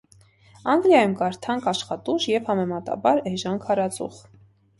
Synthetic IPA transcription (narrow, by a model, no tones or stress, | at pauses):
ɑŋɡljɑjumkɑɾt̪ʰɑŋkʰɑʃχɑt̪uʒjɛvhɑmɛmɑt̪ɑ̰bɑɾɛʒɑnkʰɑɾɑt͡sṵχ